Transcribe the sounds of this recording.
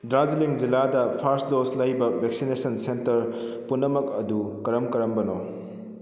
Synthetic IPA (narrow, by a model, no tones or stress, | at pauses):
dɾaziliŋd͡ʒiladɐpʰaɾsdoslɐjbɐbʱek̚sinesɐnsentɐɾpunːɐmɐk̚ɐdukɐɾɐmkɐɾɐmbɐno